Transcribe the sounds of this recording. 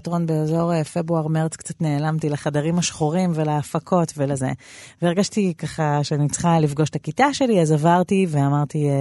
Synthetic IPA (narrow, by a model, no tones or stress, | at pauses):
tʁo̞nbeːzo̞ʁefebʁuaʁmaʁt͡skt͡satne̞ːlamtileχadaʁimaʃχoʁimveleːfakʰo̞tvelezḛveːʁɡaʃtikaχaʃeanit͡sχalifɡo̞ʃe̥takitaʃe̞liazavaʁtiveamaʁt̪i